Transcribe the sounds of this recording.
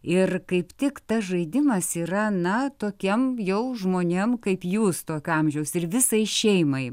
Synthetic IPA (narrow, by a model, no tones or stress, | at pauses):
ɪrkɐɪpt̪ʲɪkt̪ɐsʒɐɪd̪ʲɪmɐsiːɾɐnɐt̪oːkʲɛmjɛʊʒmoːnʲemkɐɪpjuːst̪oːkʲɐmʲʒʲɛʊsɪɾʋʲɪsɐɪʃʲɛɪmɐɪ